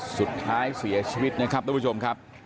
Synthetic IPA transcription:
su˨˩t̪ʰːaː˦˥jsi˩˦ɐt͡ɕʰiː˧wi˦˥t̪̚na˦˥kʰa˦˥p̚ɾuː˥˩˦t͡ɕʰo˧mkʰa˦˥p̚

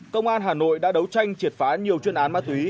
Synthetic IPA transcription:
kə˧wŋ͡mʔaː˧nɦaː˨˩no̰˧˨jɗa̰ː˧˥ɗə˨˦wt͡ɕa˧jŋ̟t͡ɕi˨˩t̚faː˨˦ɲi˨˩əwt͡ɕwi˧ənʔaː˨˦nmaː˧t̪wi˨˦

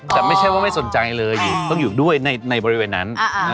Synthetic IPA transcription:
t̪ɛː˨˩ma˥˩jt͡ɕʰa˥˩jwaː˥˩ma˥˩jso˨˩˦nt͡ɕa˧jlɤː˧jːuː˨˩t̪ɔ˥˩ŋjuː˨˩du˥˩əjna˧jna˧jbɔː˧ɾi˦weː˧nːa̰˦˥n˦˧˩

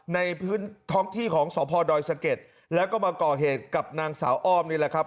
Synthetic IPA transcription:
na˧jpʰɯː˦˥nt̪ʰɔː˦˥ŋt̪ʰiː˥˩kʰɔː˩˦ŋsɔː˩˦pʰɔː˧dɔː˧jsa˧ke˨˩t̪̚ | lɛː˦˥wkɔː˥˩maː˧kɔː˨˩ɦeː˨˩t̪̚ka˨˩p̚naː˧ŋsa̰ː˩˦wʔɔː˥˩mniː˥˩lɛ˨˩kʰa˦˥p̚

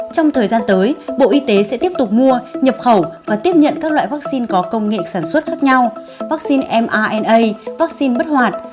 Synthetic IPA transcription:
t͡ɕɔ˧wŋ͡mt̪ʰəː˨˩jzaː˧nt̪əː˨˦jɓo̰˧˨ʔi˧t̪e˨˦sɛ̰˧˥t̪i˦˥əp̚t̪ʊ˨˩k͡p̚mu˧əɲə˨˩p̚xə˧˩wvaː˨˩t̪i˦˥əp̚ɲə̰˧˨nkaː˦˥k̚la̰ː˧˨jvaː˦˥k̚si˧nkɔ˨˦kə˧wŋ͡mŋḛ˧˨saː˧˩nswə˦˥t̚xaː˦˥k̚ɲa˧w | vaː˦˥k̚si˧nʔɛ˧mʔaː˧ʔɛ˧nʔə˧jvaː˦˥k̚si˧nɓə˦˥t̚hwaː˨˩t̚

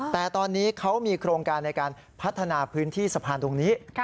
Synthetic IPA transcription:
ɛː˨˩t̪ɔː˧nːiː˦˥kʰa˦˥wmiː˧kʰɾoː˧ŋkaː˧nːa˧jkaː˧n | pʰa˦˥t̪ʰːa˧naː˧pʰɯː˦˥nt̪ʰiː˥˩sa˧pʰaː˧nt̪u˧əŋniː˦˥

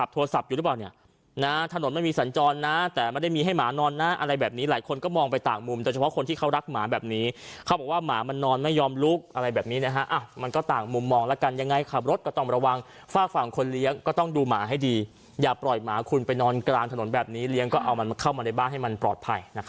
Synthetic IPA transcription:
a˨˩p̚t̪ʰoː˧a˧sa˨˩p̚juː˨˩ɯ˦˥plaː˨˩ni˧˥˩ɐ | na˦˥t̪ʰa˧no˩˦nma˧nmiː˧sa˩˦nt͡ɕɔː˧nːa˦˥t̪ɛː˨˩ma˧˥˩da˥˩jmiː˧ɦa˥˩jmaː˩˦nɔː˧nːa˦˥ʔa˧ɾa˧jbɛː˨˩p̚niː˦˥laː˨˩˦jkʰo˧nkɔː˥˩mɔː˧ŋpa˧jt̪aː˨˩ŋmu˧mdoː˨˩t͡ɕʰpʰɔ˦˥kʰo˧nt̪ʰiː˥˩kʰa˦˥wɾa˦˥k̚maː˩˦bɛː˨˩p̚niː˦˥kʰa˦˩wbɔː˨˩kwaː˥˩maː˩˦ma˧nːɔː˧nma˥˩jːɔː˧mlu˦˥k̚ʔa˧ɾa˧jbɛː˨˩p̚niː˦˥na˦˥kʰa˦˥ʔa˧˩wma˧nkɔː˥˩t̪aː˨˩ŋmu˧mːɔː˧ŋlɛ˦˥ka˧nja˧ŋːa˧jkʰa˨˩p̚ɾo˦˥t̪̚kɔ˥˩t̪ɔ˥˩ŋɾa˧wa˧ŋ | faː˥˩k̚fa˨˩ŋkʰo˧nli˦˥əŋkɔː˥˩t̪ɔ˥˩ŋduː˧maː˩˦ɦa˥˩jdiː˧ | jaː˨˩pɾɔː˨˩jmaː˩˦kʰu˧npa˧jnɔː˧nklaː˧ŋt̪ʰa˧no˩˦nbɛː˨˩p̚niː˦˥li˦˥ŋkɔː˥˩ʔa̰˧wma˧kʰa˥˩wma˧da˥˩jbaː˥˩ŋɦa˥˩jma˧npɾɔː˨˩t̪̚pʰa˧jna˦˥

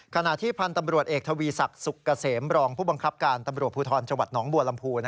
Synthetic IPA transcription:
kʰa˧na˨˩ʔt̪ʰiː˥˩pʰa˧nt̪a˧mɾu˨˩ət̪̚ʔeː˨˩k̚t̪ʰa˧wiː˧sa˨˩k̚su˨˩kːa˧seː˩˦mɾɔː˧ŋpʰuː˥˩ba˧ŋkʰa˦˥p̚kaː˧nt̪a˧mɾu˨˩ət̚pʰuː˧t̪ʰɔː˧nt͡ɕa˧ŋwa˨˩t̪̚nɔː˩˦ŋbu˨˩əla˧mpʰuː˧n˦

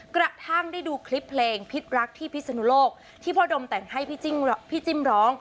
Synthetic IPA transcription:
kɾa˨˩t̪ʰaː˥˩ŋdaː˥˩jduː˧kʰli˦˥pʰːleː˧ŋpʰi˦˥t̪̚ɾa˦˥k̚t̪ʰiː˥˩pʰi˦˥t̪̚sa˧nu˦˥loː˥˩k̚ | t̪ʰiː˥˩pʰɔː˦˥do˧mt̪ɛ˨˩ŋha˥˩jpʰi˦˥t͡ɕi˥ŋpʰi˦˥˩t͡ɕi˦˥˩mɾɔː˦˥ŋ

